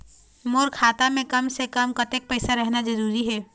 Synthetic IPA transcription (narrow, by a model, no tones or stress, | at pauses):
moːɾkʰaːt̪amẽkɐmsekəmkɐt̪ek̚pɛɪsaɾɛɦnad͡ʒɐɾuːɾiɦɛː